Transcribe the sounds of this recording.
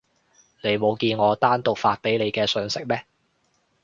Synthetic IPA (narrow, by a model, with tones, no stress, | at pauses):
ne˨˧jmo˨˧wkiː˧nŋɔː˨˧t̪aː˥nt̪ʊ˨k̚faː˧t̚pe˨˥jne˨˧jkɛː˧sœː˨˧ŋsɪ˥k̚mɛː˥